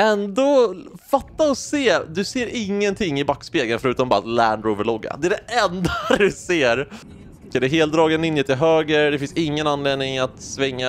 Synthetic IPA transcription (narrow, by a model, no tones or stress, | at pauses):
ɛnd̪ofat̪ːaɔseːd̪ɵseːɾɪŋːənt̪ʰɪŋːɪbakːspeːɡənfœɾʉ̟ːt̪ɔmbɑːɾalæɳɖɾʉvəɭɔɡːa̰d̪ɛæɖ̪ɛɛnd̪ad̪ɵseːɾ | kʰand̪ɛɦeːlt̪̚d̪ɾɑːɡɛnɪnːjət̪ɪɦøːɡəɾd̪ɛfɪnsɪŋːənanleːd̪nɪŋat̪svɛŋːa